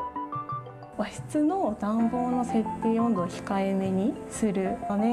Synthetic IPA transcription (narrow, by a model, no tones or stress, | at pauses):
βaçi̥t͡sɨnoːd̪ãmbo̞ːno̞se̞t̪ːeːõ̞nd̪oçi̥kaeme̞ɲ̟isɨɾɯ̟one